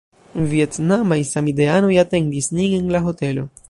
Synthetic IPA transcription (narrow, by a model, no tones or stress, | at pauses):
viet̪namaisamid̪eanojat̪eŋdisniŋeŋlaɦo̞t̪elo̞